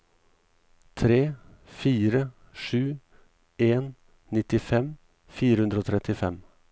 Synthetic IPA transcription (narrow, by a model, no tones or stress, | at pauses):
t̪ʰɾeːfiːɾə | ʂʉː | eːn | nɪt̪ɪfɛm | fiːɾəhʉnd̪ɾoːt̪ʰɾɛt̪ɪfɛm